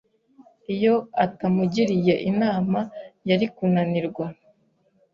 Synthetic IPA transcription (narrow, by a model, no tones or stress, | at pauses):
ijo̞atamuɟiɾije̞ʔinaːmajaɾikunaniɾɡwa